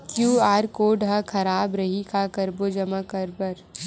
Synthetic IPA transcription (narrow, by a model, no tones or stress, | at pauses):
kjuːaːɾkoːɖɦakʰɐɾaːbɾɐɦikʰakɐɾbod͡ʒɐmakɐɾbəɾ